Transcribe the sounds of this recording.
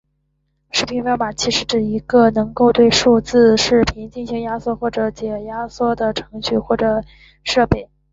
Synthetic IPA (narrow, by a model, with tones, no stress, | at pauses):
ʂɻ̩˥˩pʰi˧˥npma˨˩t͡ɕʰi˧˥ʂɻ̩˧˥ʈ͡ʂɻ̩˨˩i˧˥ɡə˧nɤ˧˥ŋko˥˧ʊt̪we˥˧ɪʂu˥˧t͡sɹ̩˥˧ʂɻ̩˥˩pʰi˧˥nt͡ɕi˥˩nɕi˧˥ŋja˥swɔ˥˧xwɔ˥˩ʈ͡ʂɤ˨˧˥t͡ɕjɛ˨˩ja˥swɔ˥˩d̪ə˩ʈ͡ʂʰɤ˧˥ŋɕy˥˧xwɔ˥˩ʈ͡ʂɤ˨˩ | ʂɤ˥˧pe˥˩ɪ